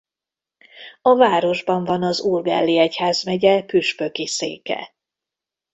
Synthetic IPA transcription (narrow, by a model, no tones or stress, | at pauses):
ɒvaːɾo̞ʒbɒɱvɒnɒzurɡɛ̰lːiɛchaːzmɛɟɛpyʃpø̞kisḛːkɛ̰